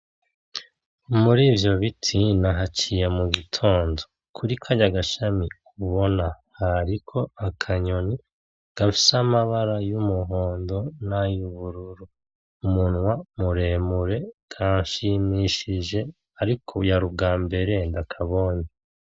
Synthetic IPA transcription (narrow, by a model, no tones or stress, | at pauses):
muɾiːvjo̞βitʰinaɦacijemuɡitʰo̞ːndo̞̥ | kʰuɾikʰaɲaɡaʃamikʰuβo̞na | haɾikʰo̞akʰaɲo̞ni | ɡ̥afi̥samaβaɾajumuɦoːndo̞najuβuɾuɾu | umunwamuɾe̞ːmuɾe̞kʰaːɲʃimiʃiʒe̞ | aɾikʰojaɾubɡaːmbe̞ɾe̞ndakʰaβo̞ːɲe